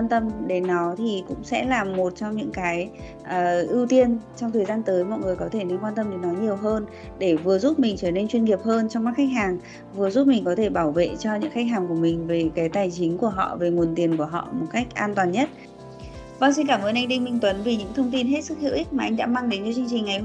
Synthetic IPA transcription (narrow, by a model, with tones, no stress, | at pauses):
waː˧nt̪ə˧mɗe˨˦nːɔ˨˦t̪ʰi˨˩kʊ̰˧˥ŋ͡msɛ̰˧˥laː˨˩mːo˨˩t̚t͡ɕɔ˧wŋ͡mɲɨ̰˧˥ŋkaː˨˦j | ʔəː˨˩ʔi˧wt̪i˧ənt͡ɕɔ˧wŋ͡mt̪ʰəː˨˩jzaː˧nt̪əː˨˦jmɔ̰˧˨jŋɨ˨˩əjkɔ˨˦t̪ʰe˧˩ne˧nkwaː˧nt̪ə˧mɗɨ˨˩˦nɔ˨˦ɲi˨˩əwɦəː˧n | ɗe˧˩vɨ˨˩əzu˦˥p̚mï˨˩ŋ̟t͡ɕəː˧˩ne˧nt͡ɕwi˧nŋi˨˩əp̚həː˧nt͡ɕɔ˧ŋ͡mma˦˥k̚xa˦˥k̚ɦaː˨˩ŋ | vɨ˨˩ə˩zu˦˥p̚mï˨˩ŋ̟kɔ˨˦t̪ʰe˧˩ɓaː˧˩wvḛ˧˨t͡ɕɔ˧ɲɨ̰˧˥ŋxa˦˥k̚ɦaː˨˩ŋku˧˩əmï˨˩ŋ̟ve˨˩kaː˨˦jt̪aː˨˩jt͡ɕï˨˦ŋ̟ku˧˩əɦɔ̰˧˨ve˨˩ŋu˨˩ənt̪i˨˩ənku˧˩əɦɔ̰˧˨mo˨˩t̚ka˦˥k̚ʔaː˧nt̪waː˨˩nɲə˦˥t̚ | vaː˨˩ŋs̬i˧nkaː˧˩mʔəː˧˩nʔa˧ŋ̟ɗi˧ŋmï˧˩ŋ̟t̪wə˨˦nvi˨˩ɲɨ̰˧˥ŋt̪ʰə˧wŋ͡mt̪i˧nɦe˦˥t̚sɨ˦˥k̚hḭ˧˨wʔi˦˥k̟̚maː˨˩ʔa˧jŋ̟ɗa̰ː˧˥maː˧ŋɗe˨˦nt͡ɕɔ˧t͡ɕɨ˧ŋt͡ɕï˨˩ŋ̟ʔaə˨˦j